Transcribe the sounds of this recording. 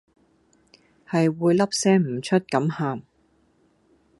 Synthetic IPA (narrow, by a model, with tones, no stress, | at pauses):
hɐ˨jwuː˨˧jlɐ˥p̚sɛː˥ŋm̩˨˩t͡ʃʰɵ˥t̚kɐ˨˥mhaː˨m